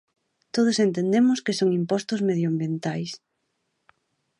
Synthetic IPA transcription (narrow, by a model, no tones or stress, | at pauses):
t̪oð̞osent̪end̪emʊskesoŋimpɔst̪ʊzmeðjoambjent̪ajs